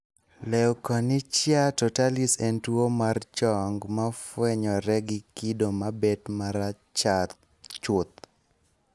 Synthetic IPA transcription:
lɛwkɔnɪt͡ʃjatɔtalisɛntwomart͡ʃɔŋɡmafwɛɲɔɾɛɡɪkidomabetmaɾa | t͡ʃat̪ | t͡ʃʊt̪̚

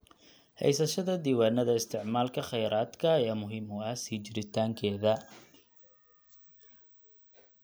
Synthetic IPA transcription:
hɛ̰jsɐʃɐðɐd̪iːwaːnːɐðɐɪst̪ʰɪʕmaːlkʰɐχɛjɾaːd̪kʰɐjaːmʊɦɪmʊɐhsiːt͡ʃɪɾɪt̪ʰaːŋkʰɛːðɐ

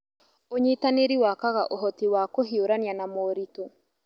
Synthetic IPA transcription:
oɲitaneɾiwakaɣaʔoɦɔtiwakoɦioɾanjanamoɾito

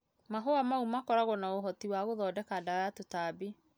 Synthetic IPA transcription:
maɦoamaumakɔɾaɣɔnaoɦɔtiwaɣoðɔːdɛkaːdaɔjatotabi

